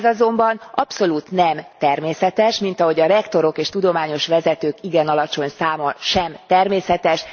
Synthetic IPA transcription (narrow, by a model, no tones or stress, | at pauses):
zɒzo̞mbɒnʔɒpso̞luːt̪nɛmt̪ɛrmeːsɛt̪ɛʃmin̪t̪ɒɦo̞ɟɒɾɛkt̪o̞ɾo̞keːʃt̪ud̪o̞maːɲo̞ʃʋɛzɛt̪øːkiɡɛnɒlɒt͡ʃo̞ɲsaːmɒnʃɛmt̪ɛrmeːsɛt̪ɛʃ